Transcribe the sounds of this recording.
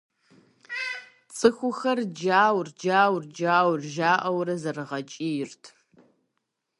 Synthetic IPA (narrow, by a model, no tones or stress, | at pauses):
t͡sʼɨxʷʊxɐrd͡ʒaːwrd͡ʒaːwrd͡ʒaːwrʒaːʔɐwrɐzɐrɨʁɐt͡ʃʼiːjɪrtʰ